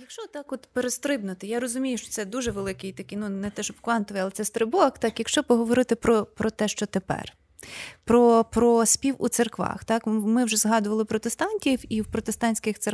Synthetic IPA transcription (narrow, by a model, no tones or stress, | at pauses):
jɐkʃt͡ʃɔt̪ːɑkɔt̪peɾest̪ɾɪbnʊt̪ɪjaɾɔzʊmʲijʊʃt͡ʃɔ̥t̪ɛd̪uʒɛʋelˠɪkɪjt̪ɐkʲinunɛt̪ɛʃɔbkʋɑnt̪ɔʋɪjalˠɛt̪sɛst̪ɾɪbɔɐkt̪ɑkjɐkʃt͡ʃɔpɔɦɔʋɔɾɪt̪ɪpɾɔpɾɔt̪ɛʃt͡ʃɔt̪epɛ̰r | pɾɔpɾɔsʲpʲiwṵt̪serkʋɑ̰xt̪ɑkmɪwʒɛzɦɑd̪ʊʋɐlˠɪpɾɔt̪est̪ɑnʲtʲiwiwpɾɔt̪est̪ɑnʲsʲkɪxtse